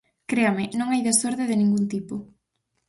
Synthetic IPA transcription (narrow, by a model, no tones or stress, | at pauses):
kɾeamɪnõŋajðesoɾðɪðɪnĩŋɡunt̪ipo